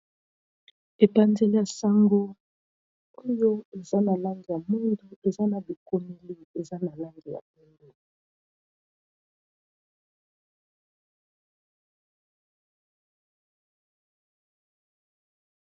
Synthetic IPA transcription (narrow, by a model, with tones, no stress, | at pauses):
e˨pa˨nze˦li˦ja˨sa˦ŋɡo˦ | o˦jo˦e˨za˦na˨la˦ŋɡi˨ja˨mo˦ndu˦e˨za˦na˨bi˨ko˦me˦li˦e˨za˦na˨la˦ŋɡi˨ja̰˨u˦ndu˨